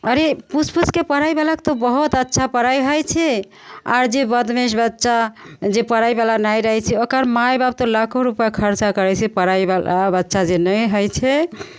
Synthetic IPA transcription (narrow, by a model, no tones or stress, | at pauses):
əɾepusʰpuskepəɾajbalakt̪ɔbəɦut̪ətːʃʰapəɾajɦəjt͡ʃʰɛ | a̰ɾd͡ʒebəd̪meʃbətːʃad͡ʒepəɾajbalanajɾəɦɛt͡ʃʰɛokəɾmajbab̚t̪olakʰoɾupjakʰəɾt͡ʃakəɾɛt͡ʃʰɛpəɾaebalabətːʃad͡ʒenəjɦəjt͡ʃʰɛ